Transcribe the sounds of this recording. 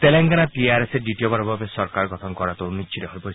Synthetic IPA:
t̪eleŋɡanaʈiaɾeseɖiʈiobaɾɔbabesɔɾkaɾɡɔt̪ʰɔŋkɔɾat̪ɔnit͡ʃʰiɾɔɦɔjpɔ

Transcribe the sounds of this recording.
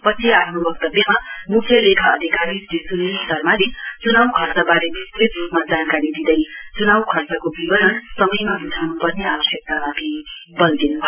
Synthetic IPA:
pʌt͡sʰiapʰnobʌk̚t̪ʌbjʌmamukʰjʌlekʰaːd̪ʱikaɾid̪isunet̪ʌrmaɾet͡sunawkʰʌrt͡sabaɾebist̪rit̪rupmad͡zankaɾid̪id̪ʌjt͡sunawkʰʌrt͡sakobibʌɾʌnsʌmʌjmabitʰawnupʌrneawʌsjʌk̚t̪amat̪ʰibʌnd̪inubʱ

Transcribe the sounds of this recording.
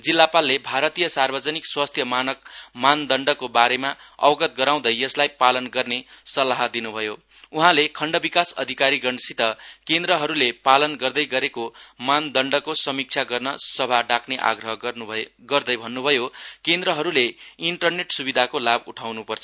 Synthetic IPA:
d͡zilːapalːebʱaɾʌt̪ijʌsarbʌd͡zʌnikswast̪ʰjʌmanʌk̚mand̪ʌɳɖʌkobaɾemaʌ̰bʌɡʌt̪̚ɡʌɾaw̃d̪ʌjjʌslajpalʌnɡʌrnesʌlaɦʌd̪inubʱʌjo | uɦãlekʰʌɳɖʌbikasʌ̰d̪ʱikaɾiɡʌɳɖsit̪ʌkend̪ɾʌɦʌɾulepalʌnɡʌrd̪ʌjɡʌɾekomand̪ʌɳɖʌkosʌmik̚t͡sʰaɡʌrnʌsʌbʱaɖakʰneʔa̰ɡrʌɦʌɡʌrd̪ʌjbʱʌnːubʱʌjokend̪ɾʌɦʌɾuleiɳʈʌrneʈsubid̪ʱakolabuʈʰawnupʌrt͡sʰʌ̥

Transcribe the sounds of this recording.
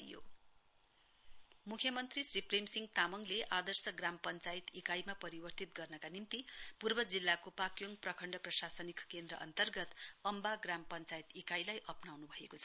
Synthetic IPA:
jo̰ | mukʰjʌmʌnt̪risripremsiŋɡt̪amʌŋleʔad̪ʌrsʌɡrampʌnt͡sajt̪ikajmapʌɾibʌrt̪it̪̚ɡʌrnʌkanimt̪ipurbʌd͡zilːakopakjoŋprʌkʰʌɳɖʌprʌsasʌnikkend̪ɾʌʔʌ̰nt̪ʌrɡʌt̪ʌmbaɡrampʌnt͡sajit̪ikajlajʔʌpnawnubʱʌekot͡sʰʌ

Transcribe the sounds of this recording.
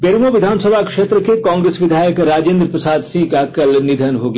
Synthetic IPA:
beɾmoʋɪd̪ʱaːnsəbʱakʃeːt̪ɾəkekɔːŋɡɾeːsʋɪd̪ʱaːjəkɾaːd͡ʒẽːnd̪ɾəpɾəsaːd̪sĩkakəlnɪd̪ʱənɦoːɡ

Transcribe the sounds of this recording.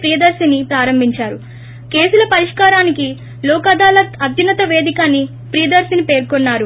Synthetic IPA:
pɾijɐd̪ɐɾsinipɾaːɾɐmbʱiɲt͡ʃaːɾu | ke̞ːsulɐpɐɾiʂkaːɾaːniki | lɔːkad̪aːlɐɐd̪junɐt̪ɐʋe̞ːd̪ikaːnːi | pɾijɐd̪ɐɾsinipe̞ːɾkonːaːɾu

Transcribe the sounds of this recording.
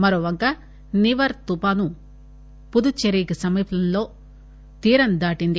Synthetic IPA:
mɐɾoːʋɐŋka | niʋɐɾt̪upaːnu | pud̪ut͡ʃeɾiːkɐsɐmiːpʰɐlɐnlo̞ː | t̪iːɾɐnd̪aːʈind̪i

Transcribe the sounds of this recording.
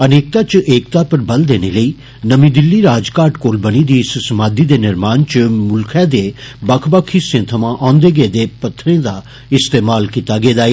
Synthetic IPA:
əneːk̚t̪at͡ʃʔeːkt̪aːpəɾbɐld̪eːneləiː | nəmĩːd̪ɪlːiːɾaːd͡ʒkaːɾʈkoːlbəñid̪iːɪssəmaːd̪id̪eːnɪɾmaːnt͡ʃəmʊlkʰɛːd̪eːbakʰbaːkʰisẽt̪ʰəmãʔãːnd̪eːɡeed̪eːpɐt̪ʰːɾẽːd̪aː | ɪst̪eːmaːlkit̪aɡeːd̪aːe

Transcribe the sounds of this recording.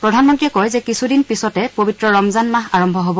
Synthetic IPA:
pɹɔdʱanmɔntɹiɛkɔɹzɛkisudinpisɔtɛpobitɹɔɹɔmzanmaɦaɹɔmbʱɔɦɔbɔ

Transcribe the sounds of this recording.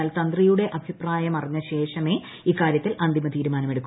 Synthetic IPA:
aːlt̪ɐnd̪rijuɽe̞ʔɐbʱipraːjɐmɐrɐɲːɐɕe̞ːʂɐme̞ | iːkːaːɾjɐt̪ːilɐnd̪ʱimɐt̪iːɾumaːnɐmeɽukː

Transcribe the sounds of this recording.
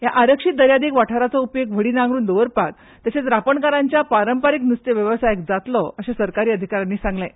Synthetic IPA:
jaʔaɾəkʂit̪̚d̪əɾjad̪iːkʋaʈʰaɾat͡sɔupjok̚ʋ̤ʱəɽiːnãŋɡɾuːnd̪oʋəɾpak̚ | t̪jaset͡sɾapəɳkaɾaɲt͡ɕjapaɾəmpaɾiknust̪jəʋjəʋəsajek̚d͡zat̪lɔəɕesəɾkaɾiːəd̪ʱikaɾanːiːsãŋɡlẽ

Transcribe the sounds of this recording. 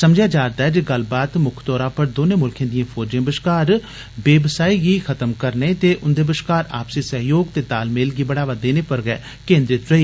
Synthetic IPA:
səmd͡ʒjaːd͡ʒaːɾd̪aːɦɛːd͡ʒeɡəlbaːt̪mʊkʰt̪ɔːɾãːpəɾd̪oːneːmʊlkʰẽːd̪ijãːpʰɔːɾd͡ʒãːbəʃkaːɾ | beːbəsaːiːɡiːkʰət̪əmkəɾneːt̪eːʔʊnd̪eːbəʃkaːɾa̰ːpsiːsəɦjoːɡt̪eːd̪aːlmeːlɡiːbəɽaːʋad̪eːneːpəɾɡɛː | kẽːnd̪ɾɪt̪ɾəiː

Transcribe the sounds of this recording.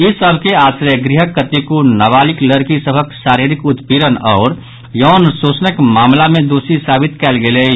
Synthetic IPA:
isəbʱkeaːsɾəjəɡɾiɦəkːət̪ikonaβaːlikləɾkisəbʱəksaːɾiɾikut̪piɾənɔːɾ | jɔɦnsot͡ʃnəkmaːmlamẽd̪osisaːbit̪kɛːlɡele

